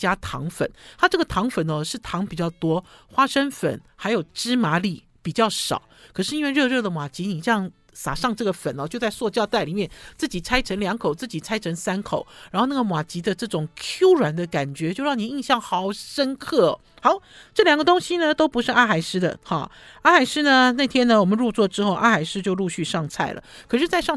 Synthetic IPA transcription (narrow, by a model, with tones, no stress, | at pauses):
t͡ɕja˥t̪ʰɑ̰˧˥ŋfə̰˨˩˦nt̪ʰa˥˧ʈ͡ʂɤ˥˩ɡə˩t̪ʰɑ˧˥ŋfə˨˩nə˦ʂɻ̩˥˩t̪ʰɑ˧˥ŋpi˨˩t͡ɕjɑ˥˩ʊt̪wɔ˥xwa˥ʂə˥nfə̰˨˩˦nxa˧˥ɪjo˨˩ʊʈ͡ʂɻ̩˥ma˧˥li˥˩ | pi˨˩t͡ɕjɑ˥˩ʊʂɑ̰˨˩˦ʊkʰɤ˨˩ʂ̬ɻ̩˥i˥nwe˥˧ɻɤ˥˧ɻɤ˥˩d̪ə˩mwa˨˩t͡ɕi˧˥ni˨˩ʈ͡ʂɤ˥˧jɑ˥˩ŋ | sa̰˨˩ʂɑ˥˧ŋʈ͡ʂɤ˥˩ɡə˩fə˨˩nɔ˨˦t͡ɕjo˥˧ʊt͡sa˥˧ɪswɔ˥˧t͡ɕjɑ˥˧ʊt̪a˥˩ɪli˨˩mjɛ˥˩nt͡sɹ̩˥˩t͡ɕi˨˩t͡sʰa˥ɪʈ͡ʂʰə˧˥ŋljɑ˧˥ŋkʰo˨˩ʊt͡sɹ̩˥˩t͡ɕi˨˩t͡sʰa˥ɪʈ͡ʂʰə˧˥ŋsa˥nkʰo˨˩˦ʊɻa˨˥nxo˥˧ʊna˥˩ɡə˩mwa˨˩t͡ɕi˧˥d̪ə˧ʈ͡ʂɤ˥˩ʈ͡ʂʊ˨˩ŋkʰju˥ʊɻwa˨˩nd̪ə˧ka˨˩nt͡ɕɥɛ˧˥t͡ɕjo˥˧ʊɻɑ˥˩ŋni˨˩i˥˧nɕjɑ˥˩ŋxɑ˧˥ʊʂə˥nkʰɤ˥˩˨ | xɑ˧˥ʊʈ͡ʂɤ˥˩ljɑ˨˩ŋɡə˧t̪ʊ˥ŋɕi˧nə˧t̪o˥ʊpu˧˥ʂɻ̩˥˧a˥˩xa˨˩ɪʂɻ̩˥d̪ə̰˨xɑ̰˥˩ | a˥˩xa˨˧˩ɪʂɻ̩˥nə˧na˥˩ɪt̪ʰjɛ˥nə˨wɔ˨˩mə˨˦nɻu˥˧t͡swɔ˥˩ʈ͡ʂɻ̩˥xo˥˧ʊʔa̰˥˧xa˨˩ɪʂɻ̩˥t͡ɕjo˥˧ʊlu˥˧ɕy˥˧ʂɑ˥˧ŋt͡sʰa˥˩ɪlʔə̰˩kʰɤ˨˩ʂɻ̩˥˧t͡sa˥˧ɪʂɑ˥˨ŋ